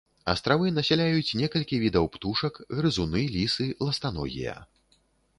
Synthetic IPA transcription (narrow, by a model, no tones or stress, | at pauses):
ɐ̰st̪ɾavɨnɐsʲɛlʲajut͡sʲnʲɛkɐlʲkʲivʲid̪ɐwpt̪uʂɐkɣɾɨzunɨlʲisɨlˠɐst̪anɔ̰ɣʲḭjɐ̰